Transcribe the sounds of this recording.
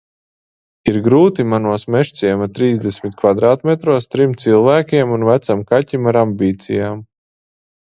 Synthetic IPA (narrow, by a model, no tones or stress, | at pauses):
iɾɡɾuːt̪imanuɔsmɛʃsiɛmat̪ɾiːzd̪esʲmit̪̚kvad̪ɾaːt̪mʲɛt̪ɾuɔst̪ɾimt̪silˠvæːkʲiɛmunvæt̪samkatʲimaɾambʲiːt̪sḭjaːm